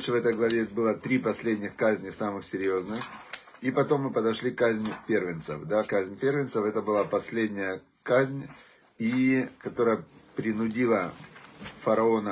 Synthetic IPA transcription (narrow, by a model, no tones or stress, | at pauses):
ʂɨvɛt̪əjɡlˠɐvʲebɨlˠət̪ɾʲipɐsʲlʲedʲnʲɪxkazʲnʲɪsamɨxsʲɪɾʲjo̞znɨx | ipɐt̪o̞mːɨpəd̪ɐʂlʲikazʲnʲpʲe̞rvʲɪnt̪sə̰fd̪akazʲnʲpʲe̞rvʲɪnsəfɛt̪əbɨlˠapɐsʲlʲedʲnʲɪjə | kazʲnʲ | ikɐt̪o̞ɾəjəpɾʲɪnʊdʲilˠə | fɐɾɐo̞nə